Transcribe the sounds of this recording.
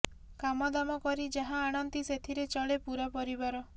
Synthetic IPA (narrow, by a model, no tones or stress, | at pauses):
kamɔd̪amɔkɔɾid͡ʒaɦãːɽ̃ɔnt̪iset̪ʰiɾet͡ʃɔɭepuɾapɔɾibaɾɔ